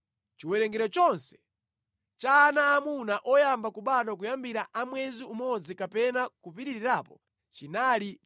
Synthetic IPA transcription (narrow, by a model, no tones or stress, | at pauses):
t͡ʃiwɛɾɛŋɡɛɾɔt͡ʃɔnsɛ̥ | t͡ʃaːnaːmunaʔɔjambakuɓaɗɔkujambiɾaʔamwɛziumɔd͡zikapɛnakupiɾiɾiɾaːpɔ | t͡ʃinaːli